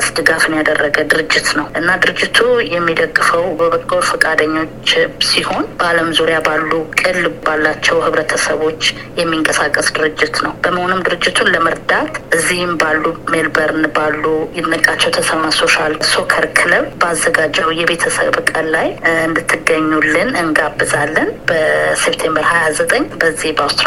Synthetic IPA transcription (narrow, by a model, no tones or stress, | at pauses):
sd̪ɨɡafɨnjad̪ərːəɡəd̪ɨɾɨd͡ʒːɪt̪nəwʔɨnːad̪ɨɾɨd͡ʒːɪt̪ʰujɛmːid̪əɡːɨfəwbəβəkʼːofɨkʼad̪əɲːo̞t͡ʃːsiho̞nbəaləmzuɾjabalːukʼɨlbalːat͡ʃːɛwhɨβɾət̪ʰəsəβo̞t͡ʃː | jɛmːiŋkʼəsakʼːəsd̪ɨɾɨd͡ʒːɪt̪nəwb̥əməhonɨmd̪ɨɾɨd͡ʒːɪt̪ʰunləməɾd̪at̪ʔɨzːihmbalːumelbəɾɨnɨbalːujɛnːəkʼːat͡ʃːɛwt̪ʰəsəmaso̞ʃalso̞kʰəɾkʰɨləβbəazːəɡad͡ʒəujɛbe̞t̪ʰəsə̰βkʼənːajɨnd̪ɨt̪ʰːɨɡːəɲːulːɨnɨŋɡabːɨzalːənb̥əsept̪ʰe̞mbəɾhajazət̪ʼəɲːbəzːihbəawst̪ɾ